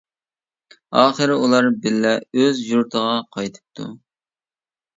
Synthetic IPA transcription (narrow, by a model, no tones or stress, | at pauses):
ɑːχəɾɪulˠɑɾbɪlːɛøzjuɾt̪ʰəʁɑqʰɑjt̪ʰɨ̥p̚t̪ʰṵ